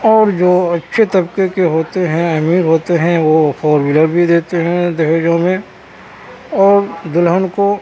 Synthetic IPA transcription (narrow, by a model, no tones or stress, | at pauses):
ɔːɾd͡ʒoːɐtːʃʰet̪ɐbkekeɦoːt̪eɦɛ̃ɐmiːɾɦoːt̪eɦɛ̃ʋofɔːɾmɪləɾbʱid̪eːt̪eɦɛ̃d̪ɪɦeːd͡ʒõmẽ | ɔːɾd̪ɪlɦənko